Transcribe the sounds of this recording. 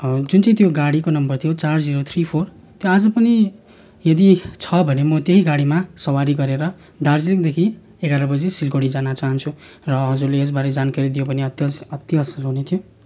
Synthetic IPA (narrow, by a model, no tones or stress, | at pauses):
d͡zunt͡sʌj̃t̪joɡaɽikonʌmbʌrt̪ʰijot͡sard͡ziɾot̪ʰripʰor | t̪joad͡zʌpʌni | jʌd̪it͡sʰʌbʱʌnemʌt̪jeɦiɡaɽimasʌwaɾiɡʌɾeɾʌ | d̪ard͡ziekd̪ekʰi | eɡaɾʌbʌd͡zesilɡoɽid͡zanat͡saɦʌnt͡sʰu | rʌɦʌd͡zurlees̬baɾed͡zankaɾid̪ijopʌneʌt̪sʌt̪iɦʌslɦunet̪ʰijo